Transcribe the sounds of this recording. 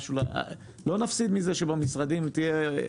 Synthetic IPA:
ʃulaa̰ | lo̞nafsid̪mizeʃebamisʁad̪imt̪ije

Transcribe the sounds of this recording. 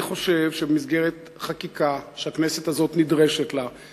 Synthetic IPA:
χo̞ʃevʃebemizɡeʁet̪ | χakikaʃeaknesetazo̞tnidʁe̞ʃetla

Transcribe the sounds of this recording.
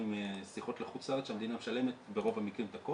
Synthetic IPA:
imsiχo̞t̪leχut̪aesʃamed̪inamʃale̞met̪beʁo̞vamikʁimt̪ako

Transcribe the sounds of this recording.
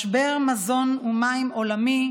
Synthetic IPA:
ʃbeʁmazo̞numaimolami

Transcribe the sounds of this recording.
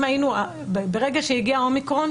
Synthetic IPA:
mainua | bbeʁeɡaʃejiɡiaomikʁon

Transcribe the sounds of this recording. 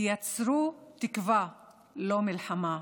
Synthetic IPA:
jat͡sɾut̪ikva | lomilħama

